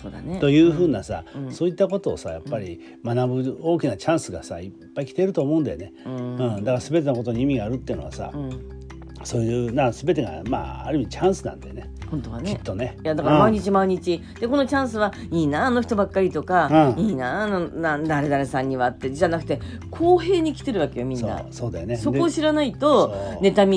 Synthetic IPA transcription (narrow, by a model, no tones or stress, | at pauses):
soːd̪a̰net̪o̞jɯ̟ːɸɯ̟ːnasã̰so̞ːit̪ːako̞t̪o̞ːsajapːaɾʲi | manabɯ̟o̞ːkʲinat͡ɕãɰ̃sɨɡasa̰ipːaikʲi̥t̪e̞ɾɯt̪o̞ːmoɯ̟nd̪a̰jone̞ɯ̃ɯ̟̃ɴd̪akaɾasɨbe̞t̪enoko̞t̪oɲ̟iimʲiɡaːɾɯ̟t̪ːeɯ̟no̞asã̰ | so̞ːjɯnasɨbe̞t̪e̞ɡa̰ma̰ːa̰ɾɯ̟imʲit͡ɕãɰ̃sɨnã̰nd̪ajonehõ̞nt̪o̞βankʲeit̪ːo̞ne̞jad̪akaɾamaiɲ̟it͡ɕimaiɲ̟it͡ɕi | d̪̥e̞ko̞no̞t͡ɕãɰ̃sɨβa | iːnano̞çi̥t̪o̞bakːaɾʲit̪o̞kaɯ̃iːnanonad̪aɾe̞d̪aɾe̞sãɲ̟ːiβat̪ːe̞d͡ʑʑanakɯ̟t̪e̞ | kʰo̞ːɦe̞ːɲ̟ikʲi̥t̪e̞ɾɯ̟βake̞jomʲĩsn̰ːa̰so̞ːd̪ajoneso̞kd̪oːɕiɾanait̪o̞ne̞t̪amʲi